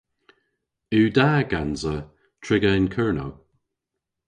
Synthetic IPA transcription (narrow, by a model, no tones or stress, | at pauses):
ʉːdaːɡanzə | tʰɹɪɡəɪnkʰɜɹno̰w